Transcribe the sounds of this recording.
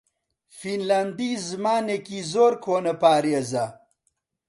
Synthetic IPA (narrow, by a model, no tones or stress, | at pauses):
finlɐnd̪izmaːnekizoːɾkʰoːnɐpaːɾjeza